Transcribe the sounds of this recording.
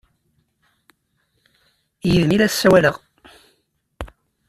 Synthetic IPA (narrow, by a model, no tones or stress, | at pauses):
jəðmilæ̥sːæwæləʁ